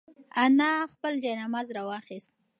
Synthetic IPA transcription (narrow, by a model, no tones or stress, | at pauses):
anaxpəld͡ʒajnamazɾawɑxist̪̚